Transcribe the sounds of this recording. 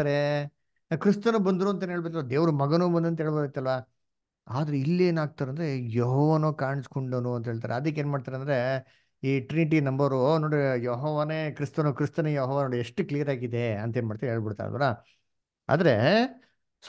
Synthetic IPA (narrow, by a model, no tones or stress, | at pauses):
aɾe | kɾist̪ɐnubɐnd̪ɾuɐnt̪ɐneɦeɭbeɾt̪ɐlʋad̪eːʋɾumɐɡɐnuːbɐnd̪ɐnt̪ɐɦeːɭbɐbet̪ːɐlʋaː | aːd̪ɐɾeilːeːnaːɡ̚t̪aːɾɐnd̪ɾejoɦɔːʋanoːkaːɳiskoɳɖɐnuɐnt̪ɐɦeːɭt̪aːɾḛɐd̪ɐk̬ːeːnmaːɽt̪aːɾeɐnd̪ɾe̞ | iːʈɾiniʈ̬inɐmbɐɾunoːɽijoɦɔːʋaneːkɾist̪ɐnukɾist̪ɐnɐjoːɦɔʋanoːɽieʂʈuklijɐɾaːɡid̪e̞ɐnt̪ɐɦeːnmaːɖt̪aːɾeɦeːɭbiɽt̪a̰ɾ̰ɐ̰ʋɐ̰ɾa | a̰ːd̪ɐɾe | s